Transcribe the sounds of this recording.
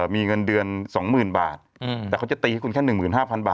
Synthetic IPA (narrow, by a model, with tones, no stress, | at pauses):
miː˧ŋɤ˧ndɯ˧ənsɔː˩˦ŋmɯː˨˩nbaː˨˩t̪̚ːɛː˨˩ka˧˥˩wt͡ɕa˨˩t̪i˧ha˥˩ku˧nkʰɛ˥˩nːɯ˨˩ŋmɯː˨˩nhaː˥˩pʰa˧nba̰ː˨˩